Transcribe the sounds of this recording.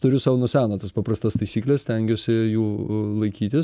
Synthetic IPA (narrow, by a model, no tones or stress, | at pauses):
t̪ʊɾʲʊsɑːʋnʊsʲæːnot̪ɐspɑprɐst̪ɐst̪ɐɪsʲiːklʲɛsʲt̪ʲɛŋʲɡʲoːsʲɪjuːlˠɐɪkʲiːt̪ʲɪs